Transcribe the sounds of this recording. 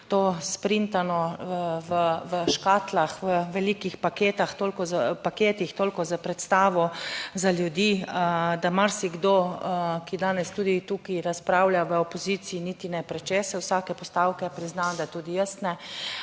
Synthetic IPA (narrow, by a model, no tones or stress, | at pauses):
t̪oːspɾint̪anɔʋəʋəʃkaːt̪laxʋəʋɛlikixpakeːt̪axt̪oːlkɔzapakeːt̪ixt̪oːlkɔzapɾɛt̪st̪aːʋɔzaljud̪iːd̪amaɾsiɡd̪okid̪aːnɛst̪uːd̪it̪ukiɾaspɾawljaʋəɔpɔziːt̪siːniːt̪inɛpɾɛt͡ʃɛːsɛwsakɛpɔst̪aːwkɛpɾiznand̪at̪uːd̪ijəsnɛ